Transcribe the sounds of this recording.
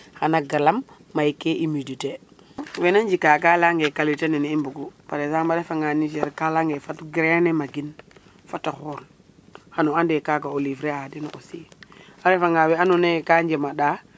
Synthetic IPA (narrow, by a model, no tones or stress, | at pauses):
hanaɡalamː | ajikeʔimidite | wenaɲd͡ʒikakalaŋɡekalitaninimbuɡupaɾezambaɾefaŋɡaniʃ̬ɛɾkalaŋɡefatɡɾenemaɡin | fataxɔɾ | hanuandekakaolifɾeadinʔosiaɾefaŋawɛanunekaɲd͡ʒemaɗa